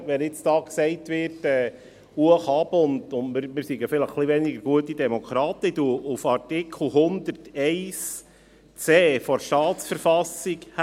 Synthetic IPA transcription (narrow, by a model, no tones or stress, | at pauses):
ʋɛnɪt͡sd̥ɑːksɛɪtʋɪtɛː | uəχɑbʊnd̪ʊntmɪɾmɪɾsiɡəfɪləχːliʋɛniɡəɾɡ̥uətːid̪ɛmɔkʰɾɑːt̪əd̥̪uʔufɑrtɪkʰl̩ˠɦʊnd̪ərtɛɪs | t͡seːfɔɾʃtɑːtsfəɾfɑsikh